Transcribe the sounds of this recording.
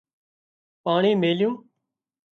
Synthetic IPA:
paːɳiːmeːljũː

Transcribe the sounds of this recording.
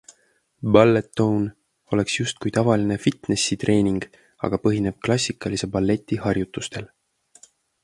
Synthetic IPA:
bɑlːet̪ːown | o̞le̞ksjust̪̚kujt̪ɑvɑline̞fit̪ne̞sit̪re̞ːniŋɡ̥ | ɑ̰ɡ̥ɑpɤɦine̞b̥̚klɑsʲikːˑɑlise̞bɑlːe̞t̪ʲːˑihɑrjut̪ːˑust̪e̞l

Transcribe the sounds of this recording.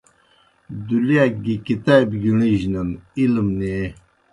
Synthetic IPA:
d̪uljaɡikit̪abɡiɳiʑnɐnilmne

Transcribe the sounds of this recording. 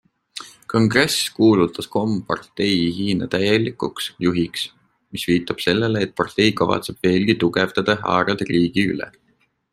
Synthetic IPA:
ko̞ŋɡ̥re̞skuːlut̪ˑːɑsko̞mpɑ̰rt̪ːe̞jɦiːnɑt̪æjelikːˑuksjuɦiks | misviːt̪ˑːɑb̥se̞lːeleːt̪̚pɑrt̪e̞jkɑvɑ̰t̪se̞b̥ve̞ːlɡ̥it̪uɡevd̪̥ɑd̪̥ɑɦɑ̰ːɾɑd̪riːɡ̥iy̰lḛ

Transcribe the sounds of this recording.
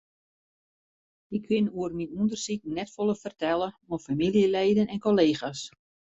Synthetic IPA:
ɪkʰːɪnuərminundərsik̚nɛtfolˠəfərtɛlˠəmofamilˠjəlɛjdənɛnkoleːxas

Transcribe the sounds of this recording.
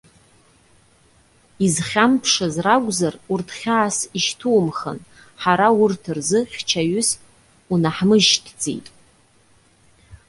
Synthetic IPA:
izχʲampʰʂazraɡʷzarurtʰχʲaːsiʃtʰuwmχə̰n | ħaɾawʊrtʰɨrzɨχʲt͡ʃʰaɥʊs | unaħmɨʒtʰd͡zʼḛjtʼ

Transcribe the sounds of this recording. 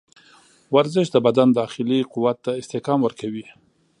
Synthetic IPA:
waɾzɪʃd̪əbad̪and̪ɑxɪliquwat̪ːaɪst̪ɪhkɑmwəɾkawi

